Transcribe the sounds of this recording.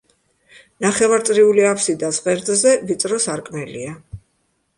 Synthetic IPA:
naχɛvaɾt̪sʼɾiuliapsid̪asʁɛɾd̪zɛvit̪sʼɾɔsaɾkʼmɛlḭa

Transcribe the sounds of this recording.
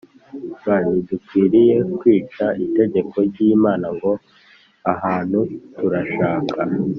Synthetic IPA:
ɡanidukwiːɾije̞kwiːt͡ʃaʔite̞ɟe̞kʰo̞ɾɟimaːnaŋɡo̞ | aɦaːn̥hutuɾaʃaːkʰa

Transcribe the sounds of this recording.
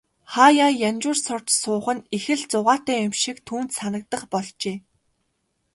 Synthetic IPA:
χaːjajanʲt͡ɕʊːrsɔr̥t͡ɕsʊːχə̆nixɘ̆ɮt͡sʊʁaːt̪æːʊmʃikt̪ʰuːnt̪sanə̆k̚t̪ə̆χpɔɮt͡ɕeː

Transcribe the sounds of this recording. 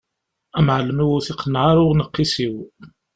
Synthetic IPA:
æmʕləmuwʊθiqːənːʕaɾˤʊʁnəqːisiw

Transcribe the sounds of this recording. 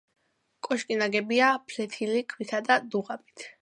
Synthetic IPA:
kʼɔʃkʼinaɡɛbiapʰlɛt̪ʰilikʰwit̪ʰad̪ad̪uʁabit̪ʰ

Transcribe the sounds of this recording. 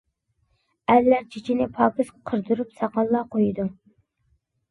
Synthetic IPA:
æɾlæɾt͡ʃʰit͡ʃʰinɪpʰɑpɨsqʰəɾd̪uɾupsɑqɑlˠːɑqʰojd̪u

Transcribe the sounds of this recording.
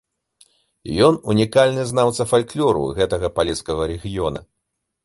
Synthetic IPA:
jɔnunʲikalʲnɨznawt̪sɐfalʲklʲɔɾṵɣɛt̪ɐɣɐpalʲiskɐɣɐɾɛɣʲijɔnɐ̰

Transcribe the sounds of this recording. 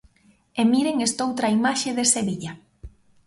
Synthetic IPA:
emiɾeŋest̪owt̪ɾaimaʃeðeseβiʎa

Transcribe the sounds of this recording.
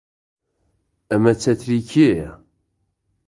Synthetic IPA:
æmæt͡sːæθɾikʰi

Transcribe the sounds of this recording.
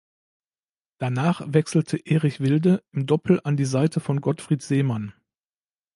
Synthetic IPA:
d̥anaːχv̥ɛksl̩tʰəʔeːʁɪçv̥ɪldəʔɪmdɔpʰl̩ʔandiːzaɪtʰəfɔnɡɔtfʁ̥iːtz̥eːman

